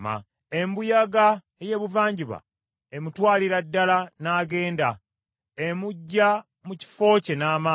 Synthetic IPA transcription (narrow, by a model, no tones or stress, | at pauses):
ma̰ | embujaɡa | eje̞ːβuvaːɲɟiβa̰ | emutwaːliɾadːalanaːɡe̞ːnda | emuɟːa | muci̥fo̞ːce̞naːma